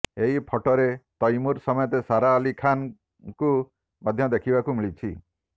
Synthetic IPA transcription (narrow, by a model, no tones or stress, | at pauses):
eɦipʰɔʈɔɾet̪ɔjmuɾsɔmɔjɔt̪esaɾaɔlikʰan | ku | mad̪ʱjɔd̪ekʰibakumiɭit͡ʃʰi